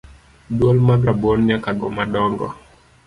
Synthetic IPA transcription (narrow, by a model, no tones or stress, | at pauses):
dwɔlmaɡabɔnɲakaɡɔmadɔŋɡɔ̰